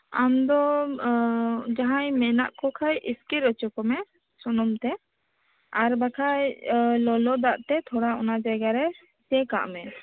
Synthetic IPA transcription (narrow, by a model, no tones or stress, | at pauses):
amd̪ɔ | d͡ʒaɦãjmɛna̰ʔkɔkʰajʔiskiɾɔt͡ʃɔkɔmɛ | sɔnɔmt̪ɛ | aɾbakʰajlɔlɔd̪aʔt̪ɛt̪ʰɔɽaɔnad͡ʒaɡaɾɛ | t̪ɛka̰ʔmɛ